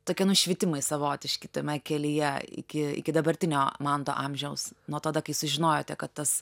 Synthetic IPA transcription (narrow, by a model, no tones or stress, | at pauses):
t̪oːkʲiɛnʊʃʲʋʲɪt̪ʲɪmɐɪsɐʋoːt̪ʲɪʃʲkʲɪt̪ɐmʲɛkʲɛlʲɪjɛɪ̰kʲɪɪ̰kʲɪd̪ɐbɐɾʲt̪ʲɪnʲoːmɐnt̪o̰ːʔɐmʲʒʲɛʊsnuɔt̪ɐd̪ɐkɐɪsʊʒʲɪnoːjoːt̪ʲɛkɐt̪t̪ɐs